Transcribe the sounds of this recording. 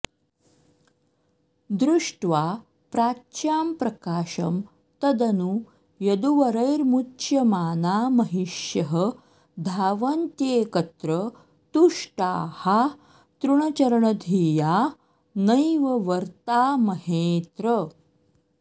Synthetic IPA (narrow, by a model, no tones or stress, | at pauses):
d̪ɾuʂʈʋaː | pɾaːt͡ʃjaːmpɾɐkaːʃɐ̰m | t̪ɐd̪ɐnu | jɐd̪uʋɐɾɐjɾmutːjɐmaːnaːmɐɦiʂjɐɦɐ | d̪ʱaːʋɐnt̪jeːkɐt̪ɾɐ | t̪uʂʈaːha | t̪ɾuɳɐt͡ʃɐɾɐɳɐd̪ʱiːjaː | nɐjʋɐʋɐɾt̪aːmɐɦeːt̪ɾɐ